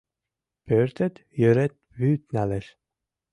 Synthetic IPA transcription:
pøːɾt̪ɛt̪jøɾɛt̪̚ | vyːt̪nælɛʃ

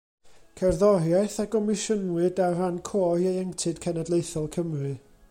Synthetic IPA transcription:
kʰɛrðɔɾjajθaɡɔmɪʃənwɨdarankʰoːiejəŋtʰɨd̥kʰɛnɛdlˠejθɔlˠkʰəmrɨ

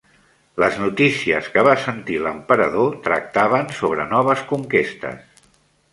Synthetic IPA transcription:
ləznut̪isiəskəβasənt̪iləmpəɾəðot̪ɾə̰k̚t̪aβənsoβ̞ɾənɔβ̞əskuŋkest̪ə̰s

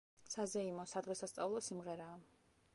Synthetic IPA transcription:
sazɛimɔsad̪ʁɛsast̪sʼavlˠɔsimʁɛɾaː

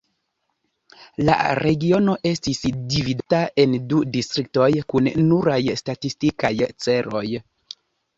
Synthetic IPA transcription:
la̰ɾe̞ɡio̞no̞ʔe̞stisdividataʔe̞ndudistɾik̚to̞jkunnuɾajstatistikajt͡se̞ɾo̞j

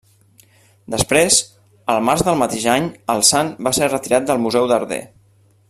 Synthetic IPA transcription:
d̪əspɾez | əlˠmaɾzðəlˠmət̪eʒaɲəlˠsanbaserət̪iɾat̪̚d̪əlˠmuzɛwðəɾðḛ

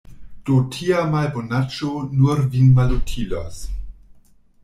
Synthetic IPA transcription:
d̥otʰiamalbonat͡ʃonuɾvinmalutʰila̰s

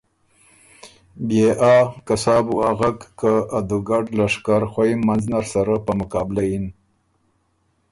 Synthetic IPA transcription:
beʔakasɑːbuaɣakːaːd̪uɡaɖlaʂkaɾxʷwaimmːanznaɾsaɾapəmʊkɑːbɪlajin

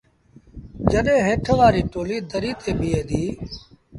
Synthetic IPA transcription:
d͡ʒəɗẽːɦẽːʈʰʋaːɾiːʈoːliːd̪əɾiːt̪ʰeːbieːd̪iː

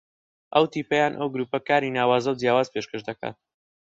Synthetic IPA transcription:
ʔɐwt̪iːpɐjaːnʔɐwɡɾuːpɐkaːɾinaːwaːzɐwd͡zjaːwaːzpʰeʃkəʒd̪ɐka̰ːt̪̚

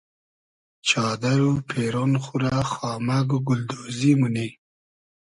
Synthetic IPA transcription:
t͡ʃɑːd̪aɾupʰeɾonxuɾaxɑːmaɡɡʊld̪ozimuni

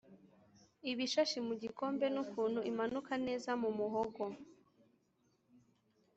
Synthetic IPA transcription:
iβiʃaʃimuɟiko̞ːmbe̞nukuːn̥huimanukane̞ːzamumuɦoɡo

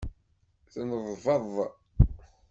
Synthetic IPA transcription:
θənəðˤvɑðˤ

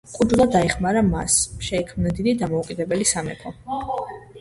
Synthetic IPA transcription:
kʼud͡ʒulˠad̪aɛχmaɾama̰sʃɛikʰmnad̪id̪id̪amɔukʼid̪ɛbɛlisamɛ̰pʰɔ

